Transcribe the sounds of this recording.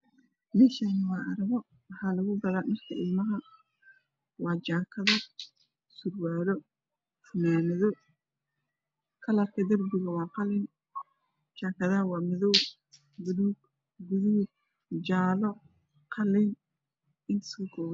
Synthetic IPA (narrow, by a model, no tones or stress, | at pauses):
mɛːʃaːnɪwɑːɐɾɐβɔ | wħaːlɐɣʊbɐðaːnɐrkʰɐɪlmɐɦɐ | wɑːd͡ʒaːkʰɐðɐ | sʊrwaːɾɔ | fʊnaːnɐðɔ | kʰɐlɐkʰɐd̪ɐrbɪɣɐwɑːqɑlɪn | t͡ʃaːkʰɐðɐɦɐwɑːmɪðɔw | bʊɾuːɡ | ɡʊðuː | d͡ʒaːlɔ | qʰɑlɪn | ɪnɪ̥skʊkʰɔːw